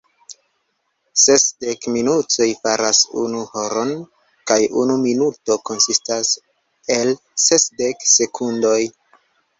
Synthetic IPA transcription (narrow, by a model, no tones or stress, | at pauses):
se̞sdekminut͡so̞jfaɾasṵnuhoɾo̞n | kajṵnuminuto̞ko̞nsistas | e̞l | se̞sdekse̞kʰundo̞j